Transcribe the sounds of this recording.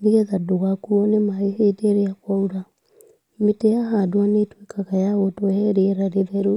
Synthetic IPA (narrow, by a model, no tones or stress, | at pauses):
ndeɣɛðadoɣakuɔnemaeheteɾeakwauɾa | metɛjaɦaːdwanetwekʰaɣajaɣotoɛɛɾeɾaɾeðɛɾu